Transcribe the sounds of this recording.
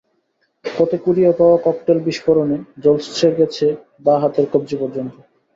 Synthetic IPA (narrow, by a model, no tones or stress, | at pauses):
pɔt̪ekuɾiopawakɔk̚ʈelbiʃfoɾoned͡ʑɔlst̪ʰɾeɾɡɛt͡ɕʰe | baɦat̪eɾkob̚d͡ʑipɔɾd͡ʑont̪o